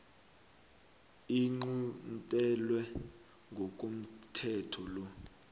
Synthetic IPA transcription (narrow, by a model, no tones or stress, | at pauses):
iŋ͡ǃuntʼɛlwɛ | ŋɡʱɔkʼom̩tʰɛtʰɔlɔ